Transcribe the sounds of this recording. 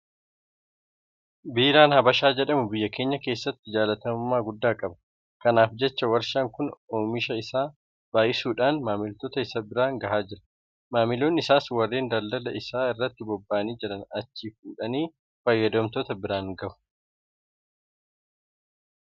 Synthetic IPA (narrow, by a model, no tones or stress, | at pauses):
biːɾaːnhɐbɐʃaːd͡ʒɛᶑɐmʊbɪjːɐke̞ːɲːɐke̞ːsːɐt̪ːɪd͡ʒaːlɐt̪ɐmʊmːaːɡʊd̪ːaːkʼɐbɐ̥ | kɐnaːfd͡ʒɛt͡ʃːɐwɐɾʃɐŋkʊnoːmɪʃɐɪsaː | b̥aːjʔɪsuːᶑaːnmaːmɪlt̪ɔt̪ɐɪsɐbɪɾaːŋɡɐhaːd͡ʒɪɾɐ̥ | maːmɪloːnɪsaːswɐrːeːnd̪ɐld̪ɐlɐɪsaːɪrːɐt̪ːɪbɔbːaːniːd͡ʒɪᶑɐnɐt͡ʃːiːfkuːᶑɐniː | fɐjːɐd̪ɔmt̪ɔt̪ɐbɪɾaːŋɡɐʔʊ̥